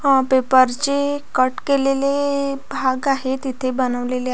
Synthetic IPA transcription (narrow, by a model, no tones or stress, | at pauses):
ə̃pepəɾt͡ɕekəʈkelelebʱaɡaɦet̪it̪ʰebənəʋlele